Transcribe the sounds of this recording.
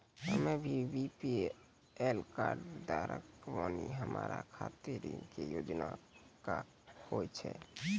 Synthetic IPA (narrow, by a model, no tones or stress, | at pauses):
həmebʱibipi | elkaɾɖd̪aɾəkʋaniɦəmaɾakʰat̪iɾiŋkejod͡ʒnaka | hot͡ʃʰɛ